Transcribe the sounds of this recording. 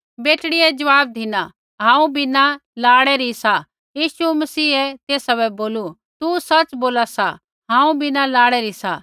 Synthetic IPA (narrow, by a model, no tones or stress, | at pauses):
beːʈɽɪɛd͡ʒɐʋaːb̚d̪ʱɪna | ɦãːũbʱinalaːɽɛɾisa | jiːsumɐsiːɛt̪eːsabɛboːlu | t̪usɐt͡ʃboːlasa | ɦãːũbʱinalaːɽɛɾisa̰